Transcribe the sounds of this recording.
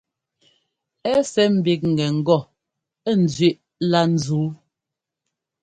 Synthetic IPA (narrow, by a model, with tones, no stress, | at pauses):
ɛ˦sɛ˦m̩˨bi˨k̚ŋ̩˨ɡɛ˨ŋ̩˨ɡɔ˦˨ | ɛ˦˨n̩˨zɥi˦˨ʔ | la˦n̩˨zuː˨˦